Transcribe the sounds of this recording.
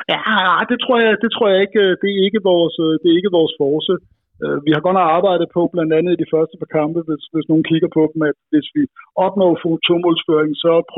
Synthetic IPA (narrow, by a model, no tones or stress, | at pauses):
jæɑɪd̥e̝t͡sʰʁo̝ɐ̰jɑ̈ɪd̥e̝t͡sʰʁo̝ɐ̰jɑ̈e̝ɡ̥d̥e̝æe̝ɡ̥əʋɒːsd̥e̝ɐe̝ɡ̥əʋɒːsfɒːsə | øʋihɑ̈ɡ̥ɒ̽n̰ɐɑ̈ːb̥ɑ̈ɪ̰d̥ð̩ˠpʰɒ̽b̥lænd̥ænð̩ˠid̥ifɶɐsd̥əpʰɑkʰɑ̈mb̥əʋe̝sʋe̝sno̝ːn̩kʰiɡ̥ɐpʰɒ̽d̥m̩æd̥ʋe̝sʋiɒ̽b̥̚nɔ̰ʊfot͡sʰomɔlsføɐ̰eŋ̩sɒ̽pʰ